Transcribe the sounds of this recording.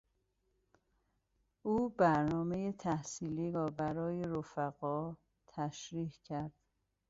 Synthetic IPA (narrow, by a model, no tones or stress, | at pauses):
ʔuːbæɾnɒːme̞jet̪ʰæhsiːliːɾɒːbæɾɒːje̞ɾofæɣɒː | t̪ʰæʃɾiːhcʰæɾd̪̥